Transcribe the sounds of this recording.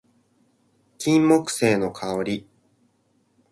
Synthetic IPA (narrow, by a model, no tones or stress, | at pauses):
kʲĩmːo̞kɯ̥se̞ːno̞kʰaoɾʲi